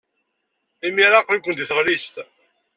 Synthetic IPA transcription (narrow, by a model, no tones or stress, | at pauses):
imiɾaqnkʷːənd̪iθəʁlist̪